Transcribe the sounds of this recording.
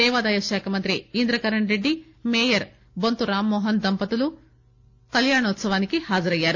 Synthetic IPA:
ɛːʋaːd̪aːjɐʃɛːkʰɐmɐnt̪ɾiind̪ɾɐkɐɾɐɳɾeɖːi | meːjɐɾ | bont̪uɾaːmːɔːɦɐnd̪ɐmpɐt̪ulu | kɐljaːɳɐɔt̪sɐʋaːnikihaːd͡ʒɐɾɐjːaːɾu

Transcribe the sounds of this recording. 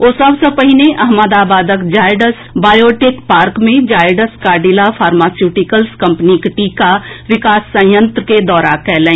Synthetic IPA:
oːsɐbsəpəɦineʔɐɦməd̪aːbaːd̪əkd͡ʒaːɪɖəsbaːjoːʈeːkpaːɾkmẽd͡ʒaːɪɖəskaːɖilafʰaːɾmaːsjuːʈɪkəlskɐ̃mpnikɪʈikaʋɪkaːsːə̃jə̃nt̪ɾəked̪ɔːɾakɛːlẽ

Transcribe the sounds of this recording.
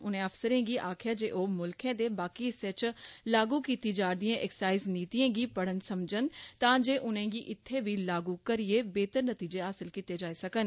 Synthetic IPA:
ʊnẽːəfsəɾẽːɡiːʔaːkʰjaːd͡ʒeːʔoːmʊlkʰẽːd̪eːbaːkiːɪseːt͡ʃlaːɡuːkiːt̪iːd͡ʒaːɾd̪ijẽʔɛːksaːɪzniːt̪ijẽːɡiːpəɽənsəmd͡ʒənt̪ãːd͡ʒeːʔʊnẽːɡiːʔɪt̪ʰːeːʋiːlaːɡuːkəɾieːbeːt̪əɾnət̪iːd͡ʒeːɦaːsɪlkiːt̪eːd͡ʒaːisəkən

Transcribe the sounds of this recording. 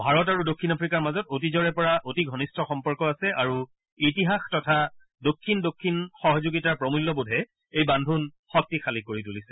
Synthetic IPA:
bʱaɹɔt̬aɹudokʰːinapʰɹikaɹmazɔtotizɔɹɛpɔɹaʔotiɡʱɔnistʰɔxɔmpɔɹkɔasɛʔaɹu | itiɦaxtɔtʰa | dokʰːindokʰːinxɔɦɔzuɡitaɹpɹɔmulːɔbudʱɛ | ejbandʱun | xɔk̚tixʰalikoɹitulisɛ̥

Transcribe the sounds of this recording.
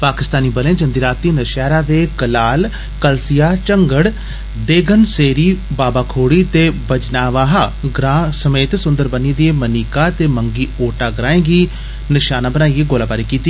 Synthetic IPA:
paːkɪst̪aːniːbəlẽãːd͡ʒənd̪iːɾaːt̪ːiːnəʃɛːɾãːd̪eːkəlaːl | kəlsɪjaːt͡ʃəŋɡəɽ | d̪eːɡənseːɾiːbaːbaːkʰoːɽiːt̪eːbəd͡ʒnaːʋaːɦaːɡɾaːsəmeːt̪sʊ̃nd̪əɾbənid̪ieːməniːkaːt̪eːməŋɡiːoːʈaːɡɾaːẽːɡiː | nɪʃaːnaːbənaːiːeːɡoːlaːbaːɾiːkiːt̪ːiː

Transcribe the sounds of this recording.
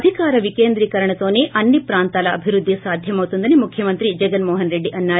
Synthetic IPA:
d̪ʱikaːɾɐʋikeːnd̪ɾiːkɐɾɐɳɐt̪oːneʔɐnːipɾaːnt̪aːlɐːbʱiɾud̪ʱːisaːd̪ʱjɐmɐʋut̪und̪ɐnemukʰjɐmɐnt̪ɾid͡ʒɛɡɐlmɔːɦɐnɾeɖːiʔɐnːaː

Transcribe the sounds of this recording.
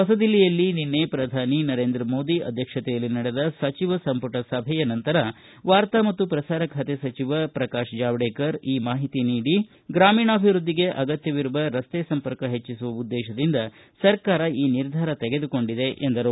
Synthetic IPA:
pɐsɐd̪ilːijɐlːininːepɾɐd̪ʱaːninɐɾeːnd̪ɾɐmo̞ːd̪iʔɐ̰d̪ʱjɐkʂɐt̪ɛjɐlːinɐɽed̪ɐsɐt͡ʃiʋɐsɐmpuʈɐsɐbʱɛjɐnɐnt̪ɐɾɐ | ʋaːɾt̪amɐt̪ːupɾɐsaːɾɐkʰɐt̪esɐt͡ʃiʋɐpɾɐkaːʂd͡ʒaːʋɽeːkɐɾiːmaːɦit̪iniːɽi | ɡɾaːmiːɳɐːbʱiʋɾud̪ːiɡe̞ʔɐɡɐt̪jɐʋiɾuʋɐɾɐst̪esɐmpɐɾkɐɦe̞t͡ʃːisuʋɐud̪ːɛːʃɐd̪ind̪ɐ | sɐɾkaːɾɐiːniɾd̪ʱaːɾɐt̪eɡe̞d̪uko̞ɳɖid̪e̞ʔend̪ɐɾu

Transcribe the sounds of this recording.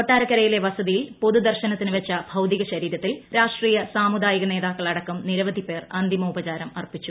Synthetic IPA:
koʈːaːɾɐkːɐɾɐjile̞ʋɐsɐðijilpo̞ðud̪ɐrɕɐnɐt̪ːinɨʋɐt͡ɕːɐb̥ʱɐwd̪iɣɐɕɐɾiːɾɐt̪ːilɾaːʂʈriːjɐsaːmud̪aːjiɣɐne̞ːðaːkːɐɭɐɽɐkːumniɾɐʋɐd̪ʱipːe̞ːrɐnd̪jɐmɐubɐt͡ɕaːɾɐmɐrpit͡ɕːu

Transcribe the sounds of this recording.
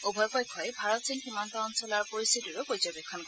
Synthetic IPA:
ubʱɔjpɔjkʰːɔjbʱaɹɔtsinximɔntɔːnsɔlaɹpoɹist̪ʰitiɹʊkojzɔbekʰɔnkɔɹ

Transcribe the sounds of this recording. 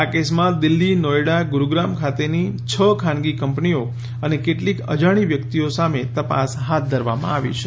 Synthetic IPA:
akesmãd̪ɪlːinɔjɽaɡuɾuɡɾamkʰat̪enit͡ʃʰəkʰãnɡikəmpnio | ənekeʈlikə̰d͡ʒaɽ̃iʋjəkt̪iosamet̪əpa̰sɦat̪̚ʰd̪ʱəɾʋa̰mã̰aʋḭt͡ʃʰe

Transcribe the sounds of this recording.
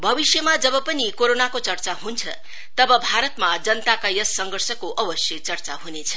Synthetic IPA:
bʱʌbisjʌmad͡zʌbʌpʌnikoɾonakot͡sʌrt͡saɦunt͡sʰʌ | t̪ʌbʌbʱaɾʌt̪mad͡zʌnt̪akajʌsːʌŋɡʱʌrsʌkoʔʌbʌsjʌt͡sʌrt͡saɦunet͡sʰʌ̥

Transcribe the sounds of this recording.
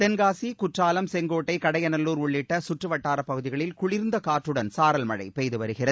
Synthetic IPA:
t̪ɛnɡaːsikʊʈraːlɐmsɛŋɡoːʈːɐɪkɐɽɐjɐnɐlːuːɾʊɭːɪʈːɐsʊʈrɯʋɐʈːaːɾɐpːɐɣɯðɪɣɐɭɪlkʊɭɪɾnd̪ɐkaːʈrɯɽɐnsaːɾɐlmɐɻɐ̰ɪpejðɯʋɐɾɯɣɪrɐð

